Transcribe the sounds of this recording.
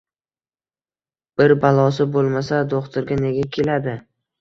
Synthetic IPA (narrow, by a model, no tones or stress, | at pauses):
b̥ɪɾbalˠɒsɪbolˠmasad̪oχt̪ʰʊɾɡʲane̞ɡʲakʲʰe̞lad̪ɪ